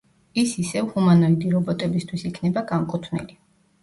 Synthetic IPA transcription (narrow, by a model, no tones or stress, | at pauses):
isisɛvhumanɔid̪iɾɔbɔt̪ʼɛbist̪ʰwisikʰnɛbaɡaŋkʼut̪ʰnḭli